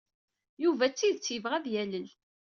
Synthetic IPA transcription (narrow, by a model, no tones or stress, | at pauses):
juvæt͡sːiðt͡sːjəvʁæðjæləl